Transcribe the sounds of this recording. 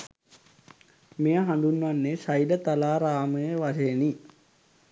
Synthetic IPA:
mejəɦand̪unːʋanːesajlət̪alaːɾaːməjəʋaseːni

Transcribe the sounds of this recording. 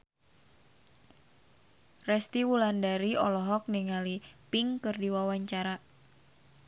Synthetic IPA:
rɛst̪iwulandaɾiɔlɔɦɔk̚niŋalipiŋkɨrdiwawaɲt͡ʃaɾa

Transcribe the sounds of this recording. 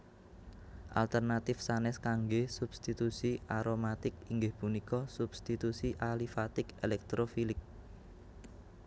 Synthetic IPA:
ʔa̰lt̪ərnat̪ɪfsanɛskaŋɡesub̥st̪it̪usiaɾomat̪ɪkiŋɡɪhpunikɔsub̥st̪it̪usiʔalifat̪ɪkelɛk̚t̪ɾofilɪk̚

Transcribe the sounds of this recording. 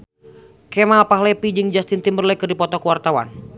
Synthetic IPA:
kɛmapaɦlepid͡ʒɨŋd͡ʒast̪int̪imbərlɛkɨrdipɔt̪ɔkuwart̪awa̰n

